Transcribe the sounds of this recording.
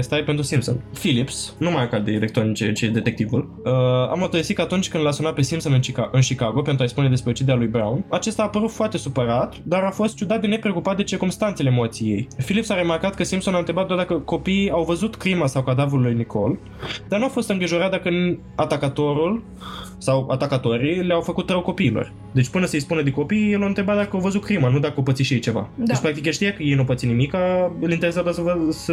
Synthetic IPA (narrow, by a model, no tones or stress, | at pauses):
st̪aepent̪ɾusimpso̞̰nfilipsnumajakald̪eilek̚t̪ɾonit͡ʃeɨt͡ʃed̪e̞t̪e̞k̚t̪ivul | əa̰mot̪əəsitkəat̪unt͡ʃʲkɨnd̪lasunat̪̚pe̞simpso̞nɨnt͡ʃiaɨnʃikaɡo̞pet̪ɾuajspune̞d̪espɾeot͡ʃid̪eɾalujbɾa̰wnat͡ʃe̞st̪aːpəɾut̪foart̪e̞supəɾat̪d̪aɾafo̞st̪t͡ʃud̪at̪̚d̪e̞ne̞pɾeokupat̪̚d̪et͡ʃirkumst̪ant̪se̞lemot̪sije̞jfilipsaɾe̞markat̪̚kəsimpso̞naɨɾe̞bat̪d̪ward̪akəko̞piiawvəzut̪kɾimasawkad̪avulːujnikʰo̞̰l | d̪arnuafo̞st̪ɨŋɡɾiʒo̞ɾat̪̚d̪akə | at̪akət̪o̞ɾul | sawa̰t̪akət̪o̞ɾileawfəkut̪rəwko̞piːlo̰r | d̪e̞t͡ʃʲpɨnəsəjspunəd̪eko̞pijjelawɨnt̪ɾe̞bat̪d̪akəawvəzut̪kɾimanud̪akəopət̪siʃijejt͡ʃe̞va̰d̪et͡ʃpɾakt̪ikeʃt̪ijakəjejnupət̪sinimikaɨlint̪eɾesad̪asəvəsə